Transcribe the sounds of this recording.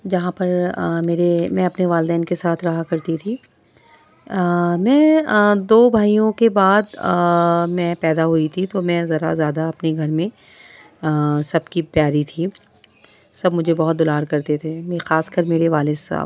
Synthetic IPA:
d͡ʒɐɦãpɐɾmeːɾemɛ̃ːɐpneʋaːld̪ɛːnkesaːt̪ʰɾɐɦakɐɾt̪it̪ʰiː | mɛ̃ːd̪oːbʱaːijõkebaːd̪ | mɛ̃ːpɛːd̪aɦuit̪ʰit̪omɛ̃zɐɾa̰zjaːd̪aɐpneɡʱɐɾmẽ | sɐb̚kipjaːɾit̪ʰi | sɐbmʊd͡ʒʱebɐɦʊt̪̚d̪ʊlaːɾkɐɾt̪et̪ʰemexaːskəɾmeːɾeʋaːlɪsa̰ː

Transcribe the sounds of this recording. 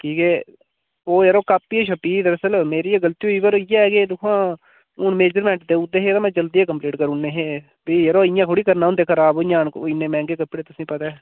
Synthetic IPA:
kiːkɛː | oːjeɾoːkaːpːieːʃəpiːd̪əɾəsəlmeːɾiːeɡəlt̪iːoiːbəɾjaɡeːd̪ʊkʰãː | ʊnmeːd͡ʒəɾmɛ̃ːɳʈd̪eːʊd̪eːɦeːt̪ãːmɛ̃ːd͡ʒəld̪iːeːkəmpliːʈkəɾʊnnːeːɦeː | biːjəɾoːɪjãːkʰʊɽiːkəɾnaːʊnd̪eːkʰəɾaːboːɪ̃jãːnkoɪnːeːmɛ̃ːŋɡeːkəpːɽeːt̪ʊsĩːpət̪aː

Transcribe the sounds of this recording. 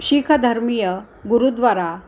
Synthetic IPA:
ɕiːkʰad̪ʱəɾmijə | ɡuɾud̪ʋaɾa

